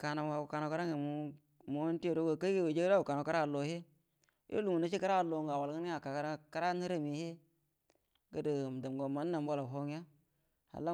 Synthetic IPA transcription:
ka˨na˨a˨ka˨na˨ka˦ɾa˦ŋe˨mu˨˦ | mo˦n˦ti˦o˨do˦ɡo˨ka˦ɡe˦we˨d͡ʒe˦a˦u˨ka˨na˨˦ka˦ɾa˦˨lo˨he˦ | jʔo̰˦lu˨mu˨na˦t͡ʃi˦ka˦ɾa˦˨lo˨ŋɡa˨wa˨lɡə˦a˨ka˨kɾka˦ɾa˦ni˦ɾa˦mi˨he˦ | ɡə˦də˨da˨m˨ɡo˨ma˦nː˦a˨mbo˦la˨ɦo˦ŋ˦a˦ | ha̰˨la˦

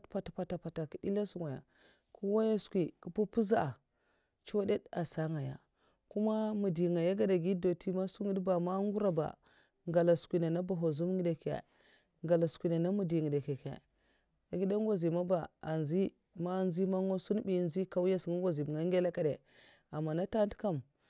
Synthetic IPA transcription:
tpa˦ta˨pa˨ta˨pa˨ta˨ki˨di˦la˦su˦ŋa˨ja̰˨ | ku˦wa˦ja˦skʷi˨ku˨pu˦pu˦za˦ʔa˨ | t͡ʃwa˦de˦da˨sa˦ŋa˨ja̰˨ | ku˦ma˦mu˨di˨ŋa˨ja˦ɡa˦da˨ɡi˦do˨tʰi˦ma˦su˦ŋi˦dba˨ma˦ŋɡu˦ɾa˦ba̰˨ | ŋɡa˨la˨skʷi˨na˨na˦ba˨ɦo˨zu˦m˦ɡi˦da˨ka̰˨ | ŋɡa˨la˨skʷi˨na˨na˦mu˨di˨ŋi˨da˨ke˨ka̰˨ | a˨ɡi˦da˦ŋ˦ɡʷa˦zi˨ma˦ba˨a˨nzi˦ | ma˦nzi˦ma˦ŋo˦su˦n˦bi˦nzi˦ka˦wu˦ja˦sŋa˦ŋɡʷa˨zi˨m˨ŋa˦ɡe˦la˦ka˦de˨ | a˨mːa˨na˦ta˦n˦tka˦m

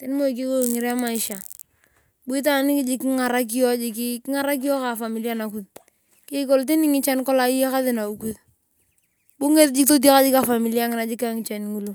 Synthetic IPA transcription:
te˦n˦mo˦i˨k̬i˦ko˦˨ŋɪ˨ɾe˦ma˦ɪ˦ʃa˨ | ɓʊ˦i˦t̬a˦nɪ˦kɪ˦d͡ʒɪ˦kɪ˦ŋa˨ɾa˦k̬i˦jɔ˦d͡ʒɪ˨ki˦kɪ˦ŋa˦ɾa˦k̬i˦ɔ˦ka˨fa˨mi˨li˦a˦na˨ku˨˦ð | kɪ˦ko˦lt̬ɪ˦nɪ˦ŋɪ˦t͡ʃa˦n˦kɔ˦la˨i˦ja˦ka˦ðɪ˨na˨u˨ku˦ð | ɓʊ˦ŋe˦td͡ʒɪ˦to˦t̬i˦a˦ka˦d͡ʒɪ˦ka˨fa˨mi˨li˦a˦ŋɪ˦na˨d͡ʒɪ˦ka˦ŋɪ˨t͡ʃa˨n˨ŋu˦lu˦

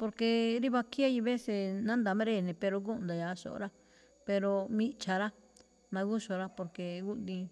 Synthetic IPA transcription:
po˧ɾke˧ɾi˦βa˧ki˦a˦ji˧βe˦se˧nã˦nd̪a˨mẽ˦ɾe˦˨nẽ˨˧pe˧ɾo˧ɡũ˦˧nd̪a˨ja˨˦ʃo̰˨ʔo̰˧ɾa˦ | pe˧ɾo˧mĩ˦˧t͡ʃa˧ɾa˦ | mã˧ɣu˦ʃo˧ɾa˦po˧ɾke˧ɡu˦ʔd̪ĩ˧

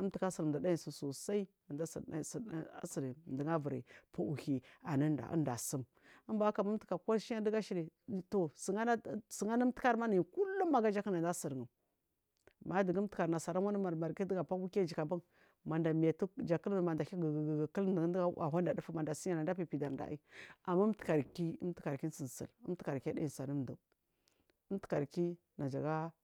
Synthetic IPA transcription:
ə˦mti˨ka˦si˨ɾda˨da˦ji˨su˨so˨sa˦i˦˨nda˦ssa̰˦si˨ɾi˨də˨ŋa˦və˨ɾḭ˨pu˦u˨hi˨a˨nə˦nda̰˨ʔə̰˦nda̰˨sə˦m | ə˦mba˦ka˨ma˦m˦tə˨ka˨ka˦ʃi˦a˦də˦ɡa˦ʃi˦ɾi˨to˨sə˨ŋa˦n˦sə˨ŋa˦na˦m˦ti˦a˦ɾma˦ni˨i˨ku˦lːu˦ma˨ɡa˦d͡ʒa˦kə˦na˨nda˦sə˨ɾə˨ | ma˨˦də˨ɡə˦tə˦ka˨ɾna˨sa˨ɾa˦a˦n˦ma˨ɾma˨ɾɡi˦dɡa˨pa˦ku˦ka˦d͡ʒi˨ka˨ba˦ŋ | ma˨nda˨mi˨ja˨tu˦d͡ʒa˨kə˦lma˨nda˨˦˨ɡkə˦ldə˨˦a˦a̰˨ɦa˦nda˨du˦fu˦ma˨nda˨si˦a˨na˨nda˦pi˨pi˨da˨ɾda̰˨˦i˦a˨mːa˦tə̥˨ka˨ɾki˦ə̰˦m˦ti̥˦ka˨ɾki˦n˦sə˨n˨sə̰˨lə˦mti˦ka˨ɾka˦d̰ji˨sa˨nu˦mnda˨ | ə˦m˦ti̥˦ka˨ɾki˦ | na˨d͡ʒa˨ɡa˦

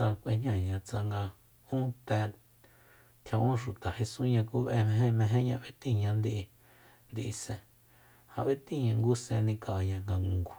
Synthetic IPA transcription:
a˧kʷe˧ɲ̥ɲã˦˨ɲã˧t͡sa˧ŋɡa˧ | ũ˦t̪ɛ˧ | k̪ʰã˧ʔũ˦ʃu˨t̪a˨he˧sũ˦ɲã˧ku˦βe˧mẽ˧ɦẽ˦mẽ˧ɦẽ˦ɲã˧βe˦t̪ĩ˦˨ɲã˧nd̪i˧ʔi˧ | nd̪i˧ʔi˧sẽ˧ | hã̰˧βe˦t̪ĩ˦˨ɲã˧ŋɡu˦sẽ˧nĩ˧ka˨a˧ɲã˧ŋɡa˧ŋũ˨˧ɡu˨

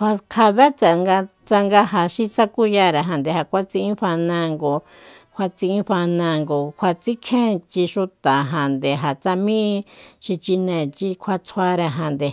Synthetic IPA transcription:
ka˧kʰa˧βe˦t͡sa˧ŋɡa˧t͡sa˧ŋɡa˧ɦa˨ʃi˦t͡sa˦ku˦ja˧ɾe˧ɦã˨nd̪e˨ha˨kʷa˦t͡sĩ˧ʔĩ˦ɸa˧nã˧ŋɡo˧ | kʰʷa˧t͡sĩ˧ĩ˦ɸa˧nã˧ŋɡo˨kʷʰa˧t͡si˦kʰẽ˦t͡ʃi˧ʃu˧t̪a˨ɦã˨nd̪e˨ɦa˨t͡sa˧mĩ˦ʃi˧t͡ʃi˧nẽ˨t͡ʃi˧kʷʰa˧t͡sʰwa˧ɾe˧ɦã˧nd̪e˨

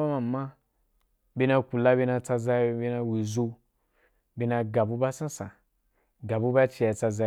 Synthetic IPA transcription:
a˦mã˨mã˦ | be˧na˧ku˨la˦be˧na˧t͡sa˧za˧˦˧be˧na˧wi˨zo˧ | be˧na˧ɡa˨bu˦ba˦sã˦sã̰˨ | ɡa˨bu˦ba˦t͡ʃi˧ja˧t͡sa˧za˧

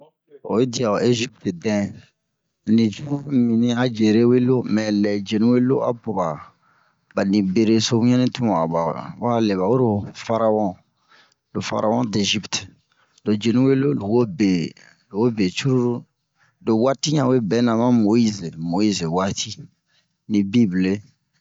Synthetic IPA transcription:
o̰˨˦di˨a˨o˨ʔe˦ʒi˦pte˨dɛ̃˨ | nĩ˨t͡ʃu˦ɾu˦ɾu˦mĩ˨nĩ˦a˦d͡ʒe˨ɾe˦we˦lo˦mɛ̃˨lɛ˨d͡ʒe˨nũ˦we˦lo˦ʔa̰˦bo˨ba˨ | ba˨nĩ˨be˨ɾe˦so˦bũ˦ɲɛ̃˦nĩ˦tũ˦ã˨a̰˨ba̰˨wa˦˨le˨βa˨wo˦ɾo˨fa˦ɾa˦wɔ̃˦ | lo˨fa̰˨ɾʔa˦wɔ̃˦de˨ʒi˦pt | do˨d͡ʒe˨nũ˦we˦lo˦lo˨wo˦be˨ | lo˨wo˦be˨t͡ʃu˦ɾu˦ɾu˦ | do˨wa˦ti˦ɲã˨we˦bɛ˨˦nã˨mã˦mo˨i˦ze˨mo˨i˦ze˨wa˦tʰi˦ | nĩ˨bi˦ble˦

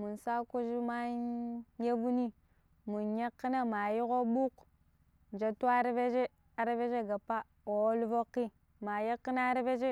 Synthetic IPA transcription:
mu˨nsa˦ku˦d͡ʒi˦ma˦ | je˦vu˦ni˦ | mu˨nɲa˦kːi˦na˦ma˨ji˦ɣo˦ɓu˦k | n˨d͡ʒa˨tu˦a˦ɾve˦d͡ʒe˦ | a˨ɾe˦ve˦d͡ʒe˦ɡa˨pːa˦ | o˨˦lvo˦kːi˦ | ma˨ja˦kːi˦na˦ɾve˦d͡ʒe˦

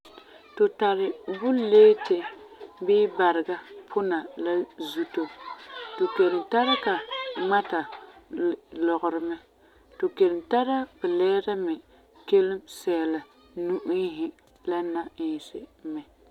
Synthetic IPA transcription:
tʊ˨ta˨ɾɪ˨bʊ˦leː˦tɪ˨bɪː˦ba˨ɾɪ˨ɡa˦pʰʊ˦na˨la˦zu˦to˨to˨ke˨lɪ˨mta˦ɾa˦ka˨ma˦ta˨ | lɔ˨ɣʊ˨ɾɪ˨mɛ˦ | to˨ke˨lɪ˨mta˦ɾa˦bɛ˨lɛː˦ɾa˦mɛ˨ | ke˦lɪ˦msɛ˨la˨ | nu˦ʔi˦ɦɪ˦ | la˦na˦ɪ˨sɪ̰˨mɛ˨

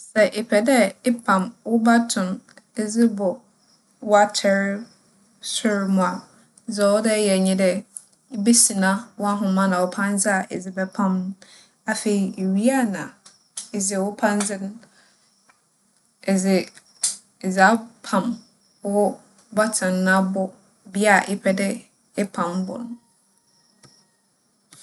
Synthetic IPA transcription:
sɛ˨ʔɪ˨pʰɛ˨dɛ˦ɪ˦pʰã˨mwʊ˦ba˦tʰʊ̃˨ne˦d͡zɪ˦bʊ˨ | wa˦tʰɛ˦ɾ | sʊ˦ɾmʊ̃˨a˨˦ | zɛ˨wɔ˦dɛ˦jɛ˨ɲĩ˦dɛ˦ | be˦sĩ˨nã˦wɔ˦a˦ɦʊ̃˨mã˦nã˨wʊ˨˦pʰã˦n˦d͡zɪ˦a˨ʔɪ̰˨d͡zɪ˦bɛ˦pʰã˦mn˦ | a˨fe˨i˨ɥi˦a˦˨nã̰˨ | e˨zɪ˨wʊ˦pʰã˦n˦d͡zɪ˦n˦ | ɛ˨zɪ˨ | za˦pʰã˨m˦ | ɔ˦ | ba˦tʰɪ̃˨n˦nã˦bʊ˦ | bi˦a˨ʔɪ˦pʰɛ˦dɪ˦ | ɛ˦pʰã˨mbʊ̰˨n˦

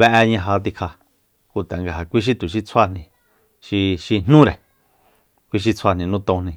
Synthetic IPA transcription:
βe˧ʔe˧ɲã˧ɦa˧t̪̬i˧kʰa˧ | ku˧t̪e˨ŋɡa˨ɦa˨kʷi˦ʃ̬i˦t̪u˨ʃ̬i˧t͡sʰwa˧nĩ˧ | ʃi˧ʃi˧n̥nũ˦ɾe˨ | kʷi˦˧ʃ̬i˧t͡sʰa˧˨nĩ˧nũ˦t̪õ˧nĩ˧

